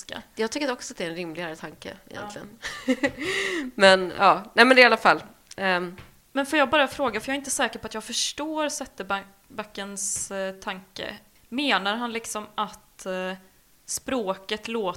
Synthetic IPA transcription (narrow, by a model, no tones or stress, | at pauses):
ka̰jɑːɡt̪ʰʏkːɾɾɔksɔat̪̚d̪ɛɾɛnɾɪmlɪɡaɾət̪ʰaŋkə̰ɪ̰jɛ̰nlɪɡə̰n | mɛnɑːnɛːmɛnd̪ɛalːafalː | mɛnfœɾjɑːɡ̚bɑːɾafɾoːɡafœjɑːɾɪnt̪əsɛːkəɾpɔat̪jɑːɡfœʂʈoːɾsɛt̪ːəb | bakːənst̪ʰaŋkə̰ | meːnaɾɦanlɪksɔmat̪ | spɾoːkət̪loː